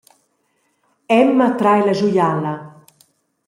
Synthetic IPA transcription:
ɛmːat̪ɾajlaʒujala

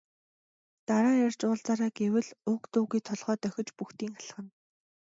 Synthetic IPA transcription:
t̪aɾaːjar̥ʲt͡ɕʊːɮt͡saːɾaːɡewɘ̆ɮʊkt̪uːɣiːt̪ʰɔɮʁœːt̪œxʲɪ̆t͡ɕpuxt̪iːŋχaɮə̆χə̆n

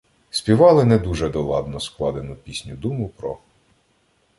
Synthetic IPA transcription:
sʲpʲiʋɑlˠɪnɛd̪uʒɛd̪ɔlˠɑ̰d̪nɔsklˠɑd̪enʊpʲisʲnʲʊd̪umʊpɾɔ̰

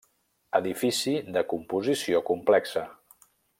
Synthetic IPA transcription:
əðifisiðəkumpuzisiokumplɛksə

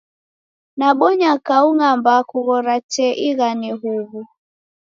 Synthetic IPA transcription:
naɓɔɲakauŋambakuɣɔɾat͡ʃɛʔiɣaniɦuβu

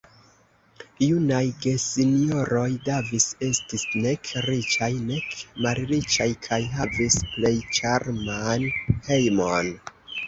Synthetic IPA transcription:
junajɡe̞sinio̞ɾo̞jdevise̞stisne̞kʰɾit͡ʃajne̞kmalɾit͡ʃajkʰajɦavisple̞jt͡ʃaɾmanhe̞jmo̞n

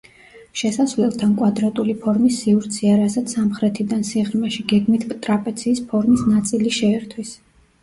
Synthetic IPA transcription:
ʃɛsasvlɛlˠt̪ʰankʼwad̪ɾat̪ʼulipʰɔɾmisːiuɾt̪sʰiaɾasat̪sʰamχɾɛt̪ʰid̪ansiʁɾmɛʃiɡɛɡmit̪ʰpʼt̪ʼɾapʼɛt̪sʰiːspʰɔɾmisnat̪sʼiliʃɛːɾt̪ʰwis

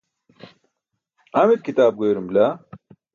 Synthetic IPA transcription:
ɐmit̪̚kʰit̪aːb̚ɡoːɾɨmbla

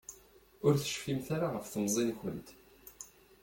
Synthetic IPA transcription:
ʊɾθə̥ʃfimθaɾaʁəfθəmzˤinçə̰nt̪

